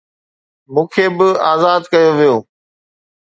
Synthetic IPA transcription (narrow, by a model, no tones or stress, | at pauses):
mũːkʰeːbɪaːzaːd̪kɐjoʋijoː